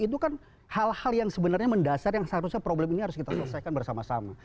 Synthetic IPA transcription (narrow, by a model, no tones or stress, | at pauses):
it̪̬ukan | halhaljaŋsəbənarɲaməndasarjaŋsaɾʊsɲapɾoblɛminiɦaɾʊskit̪asələsajkanbərsamasama